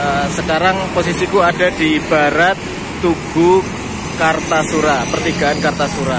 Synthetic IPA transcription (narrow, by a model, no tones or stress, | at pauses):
əsəkaɾaŋposisikuadadibaɾat̪ː | uɡ̥u | kart̪asuɾapərt̪iɡaankart̪asuɾa